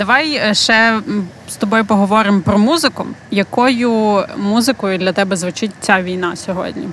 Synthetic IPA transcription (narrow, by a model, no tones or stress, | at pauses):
d̪ɐʋɑjʃɛ | st̪ɔbɔjʊpɔɦɔʋɔɾɪmpɾɔmuzɪkʊ̰jɐkɔjʊmuzɪkɔjʊd̪lʲɐt̪ɛbɛzʋɪt͡ʃɪtʲt͡sʲaʋʲijnɑsʲɔɦɔ̰dʲnʲḭ